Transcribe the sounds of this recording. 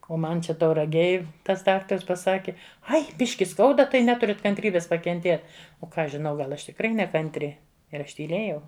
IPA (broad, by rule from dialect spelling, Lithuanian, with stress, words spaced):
oː ˈmɐn ˈt͡ʃʲɛ tɐʊrɐˈɡʲeːj ˈtɐs ˈdɑːktɐrs pɐˈsɑːkʲɪ ˈɐɪ ˈbʲɪʃʲkʲɪ ˈskɐʊdɐ tɐɪ ˈnʲæːtʊrʲɪt kɐnʲtʲˈrʲiːbʲeːs pɐkʲɛnʲˈtʲeːt oː ˈkɑː ˈɐʃ ʒʲɪˈnɐʊ ˈɡɐlˠ ˈɐʃ tʲɪkˈrɐɪ nʲɛkɐnʲˈtʲrʲɪ ɪr ˈɐʃ tʲiːˈlʲeːjɛʊ